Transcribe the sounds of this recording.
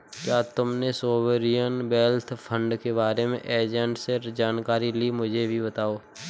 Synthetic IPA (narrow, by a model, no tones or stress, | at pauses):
kjaːt̪ʊmnesoːwəɾijənbɛːlt̪ʰpʰə̃ɳɖkebaːɾemḛ̃ʔeːd͡ʒə̃ɳʈseɾd͡ʒaːnkaːɾilimʊd͡ʒʱebʱibət̪aːoː